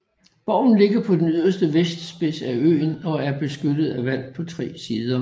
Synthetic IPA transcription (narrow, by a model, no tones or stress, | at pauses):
b̥ɒʊ̰n̩le̝ɡ̥ɐpʰɒ̽d̥enyð̰ˠɐsd̥əʋesd̥sb̥e̝sæø̰ːnɒ̽æɐb̥e̝sɡ̥ød̥ð̞̩ˠæʋæl̰̥pʰɒ̽t͡sʰʁɛ̰ːsiːð̞ˠɐ